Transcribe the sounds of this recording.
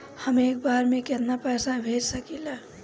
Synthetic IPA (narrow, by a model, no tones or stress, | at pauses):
həmeːk̚baɾmẽket̪napɛːsabʱed͡ʒsəkile